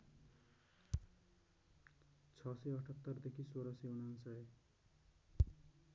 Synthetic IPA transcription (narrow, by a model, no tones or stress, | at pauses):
t͡sʰʌsʌʌʈʰʌt̪ːʌrd̪ekʰisoɾʌsʌunʌnsʌj